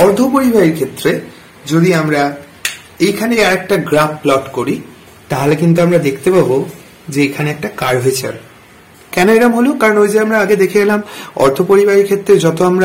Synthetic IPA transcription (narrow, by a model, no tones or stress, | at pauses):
ɔɾt̪ʰopoɾibʱaɾiɾkʰet̪ːɾe | d͡ʑod̪iamɾa | ejkʰanejaɾɛk̚ʈaɡɾaplɔʈkoɾi | t̪aɦolekint̪̬uamɾad̪ekʰt̪epabo | d͡ʑeekʰaneɛk̚ʈakaɾɦoet͡ɕʰa̰ɾ | kɛnoeʈamɦolokaɾonojd͡ʑeamɾaaɡed̪ekʰeɡɛlamɔ̰ɾt̪ʰopoɾibʱaɾiɾkʰet̪ːɾed͡ʑɔt̪oamɾa